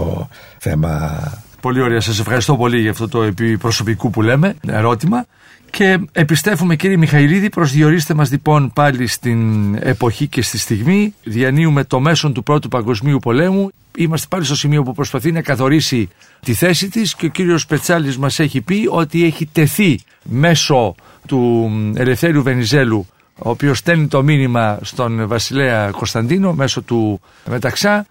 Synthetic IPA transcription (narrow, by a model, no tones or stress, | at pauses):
o̰ | θe̞̰mɐ̰po̞lio̞ɾeɐsɐs̬e̞fxɐɾist̪opo̞liʝɐft̪o̞t̪o̞epipɾo̞so̞pikupule̞me̞ḛɾo̞t̪imɐ | ce̞ːpist̪e̞fume̞ciɾiemixɐiliðipɾo̞zðio̞ɾist̪e̞mɐzlipo̞npɐlist̪ine̞̰po̞çice̞st̪ist̪iɣmiðiɐniume̞t̪o̞me̞so̞nt̪upɾo̞t̪upɐŋɡo̞zmiupo̞le̞mu | imɐst̪e̞pɐlist̪o̞simio̞pupɾo̞spɐθinɐkɐθo̞ɾisi | t̪iθe̞sit̪isceo̞ciɾio̞spe̞t͡sɐlizmɐse̞çipio̞t̪ie̞çit̪e̞θi | me̞so̞ | t̪ue̞le̞fθe̞ɾiuve̞nize̞lu | oːpio̞st̪e̞nit̪o̞minimɐst̪o̞nvɐsile̞ɐko̞st̪ɐnd̪ino̞me̞so̞t̪u | me̞t̪ɐksɐ